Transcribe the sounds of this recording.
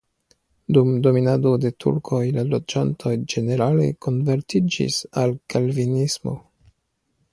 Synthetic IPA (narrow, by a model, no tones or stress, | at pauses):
dumdo̞minado̞de̞tʰṵɾkʰo̞jlalo̞d͡ʒantʰo̞jd͡ʒe̞ne̞ɾale̞̰kʰo̞nve̞ɾtid͡ʒḭsalkalvinismo̰